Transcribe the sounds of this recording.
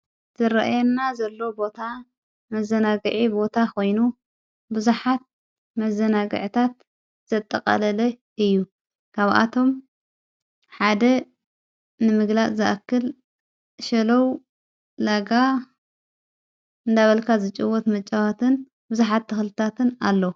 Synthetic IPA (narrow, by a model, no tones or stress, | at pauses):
z̥ɨɾɐʔa̰jɛnːazɐlːo̞bo̞t̪ʰa | mɐzɐnaɡɨʕibo̞t̪ʰakʰo̞jnu | bɨzuħat̪̚ | mɐzɐnaɡɨ̰ʕt̪ʰat̪̚ | z̥ɐt̪ʼːɐkʼɐ̰lɐlɐ | ʔɨjːu | kʰaβa̰t̪ʰo̞m | ħad̪ɐ | nɨmɨɡlaʔʼzɨʔakːɨl | ʃɐlɐwː | aɡa | ʔɨnd̪aβɐlkʰazɨt͡ʃʼɨwɔt̪mɐt͡ʃʼawat̪ʰɨn | bɨzuħat̪ːɨxlɨt̪ʰat̪ʰɨnalːo